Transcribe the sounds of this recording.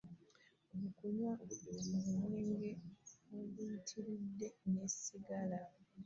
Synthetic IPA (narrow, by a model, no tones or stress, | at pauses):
omukuɲwaoβimuneːŋɡe̞oβuitʰiɾidːe̞ne̞siɡala